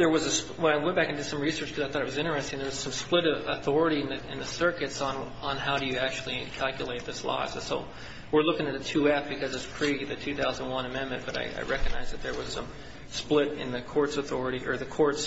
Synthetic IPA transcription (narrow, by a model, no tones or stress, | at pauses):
ðə˞wʌzɨs | wə̃naɪwɛ̃n̚b̥ækn̩dɨd̥sʌ̃mɹisɜ˞t͡ʃkʰʌzaɪθɔɾɨt̚wʌzɪ̃ɾ̃ə˞ɛstɪ̃ɨ̃n̩ðə˞wʌz̥sʌ̃msplɪɾəθɔɹɨɾiɨ̃nðɨɪ̰̃nðɨsɜ˞kɨtsñ̩ | n̩haʊɾɨjɨæk̚t͡ʃʉl̩ˠikʰælˠkjɨleɪt̪̚ðɪslɔ̰zɨsoʊ | wɪɹlʊkɪ̃ŋɨt̪̚ɨtʰʉæp̚b̥ɨkʰʌzɨtspʰɹ̥iɡðɨtʰʉθaʊzə̃nwʌ̃nɨmɛ̃nmɨ̃nb̥ʌɾa̰ɪʔa̰ɪɹɛkɨɡ̚naɪzðɨt̪̚ðə˞wʌz̥sʌ̃m | splɪɾɪ̰̃nðɨkʰɔɹtsəθɔɹɨɾiʔə˞ðɨkʰɔɹts